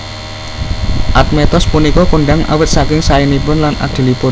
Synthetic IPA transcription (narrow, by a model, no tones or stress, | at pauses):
ʔat̪̚met̪ɔspunikɔkuɳɖaŋʔa̰wɪt̪̚sakɪŋsainipʊnlana̰d̪̥e̤lipʊ